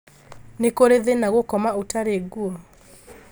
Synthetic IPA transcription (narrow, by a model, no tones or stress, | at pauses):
nekoɾeðenaɣokɔmaotaɾeɡuɔ